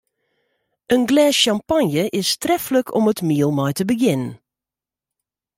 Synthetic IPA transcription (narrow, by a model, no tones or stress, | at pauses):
ənɡlɛːsʃampanjəʔɪstrɛfələkʰɔmətmiəlˠmɔjtəbəɡɪnən